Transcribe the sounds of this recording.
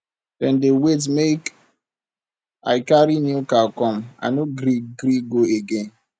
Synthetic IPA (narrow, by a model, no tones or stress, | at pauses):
dɛndewet̬mek | a̰ɪkaɾinukakɔm̩a̰noɡɾiɡɾiɡoeɡen